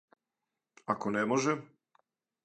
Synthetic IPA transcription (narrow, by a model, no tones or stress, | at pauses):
akonemoʒɛ